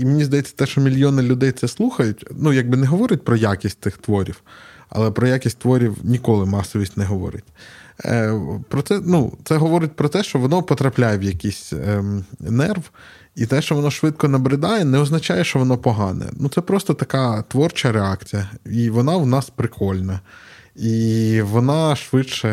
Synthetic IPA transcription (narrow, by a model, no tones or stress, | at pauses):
imenʲizd̪ɐjɛt͡sʲːɐ̥t̪ɛʃt͡ʃɔmʲilʲjɔnɪlʲʊd̪ɛjt̪sɛslˠuxɐjʊtʲnujaɡ̚bɪnɛɦɔʋɔɾʲʊt̚ʲpɾɔjakʲisʲtʲt̪ɪxt̪ʋɔɾʲiw | ɐ̰lˠɛpɾɔjakʲisʲtʲt̪ʋɔɾʲiwnʲikɔlˠɪmɑsɔʋʲisʲtʲnɛɦɔʋɔ̰ɾɪ̰tʲ | pɾɔt̪sɛnut̪sɛɦɔʋɔɾɪt̚ʲpɾɔt̪ɛʃt͡ʃɔʋɔnɔpɔt̪ɾɐplʲajɛwjɐkʲisʲ | nɛrʋ | it̪ɛʃt͡ʃɔʋɔnɔʃʋɪt̪kɔnɐbɾɪd̪ɑjɛnɛɔznɐt͡ʃajɛʃt͡ʃɔʋɔnɔpɔɦɑnɛ̰nut̪sɛpɾɔst̪ɔt̪ɐkɑt̪ʋɔrt͡ʃɐɾeakt͡sʲijɐiʋɔnɑwnɑspɾɪkʰɔlʲnɐ | iʋɔnɑʃʋɪt͡ʃɛ